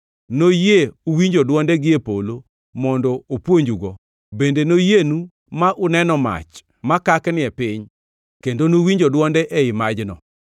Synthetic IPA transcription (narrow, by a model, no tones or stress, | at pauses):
nojeuwiɲd͡ʒodwɔndɛɡɪepolo | mɔndɔopwoɲd͡ʒuɡɔ | bendenojenu | maʔʊnɛnɔma̰t͡ʃ | makaknɪɛpɪɲ | kendonowiɲd͡ʒodwɔndɛʔeɪmad͡ʒnɔ̰